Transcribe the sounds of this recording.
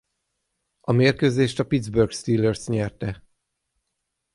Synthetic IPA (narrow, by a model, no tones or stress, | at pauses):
ɒmeːrkøːzeːʃt̪ɒpid̪zbørɡst̪iːlːørsɲɛrt̪ɛ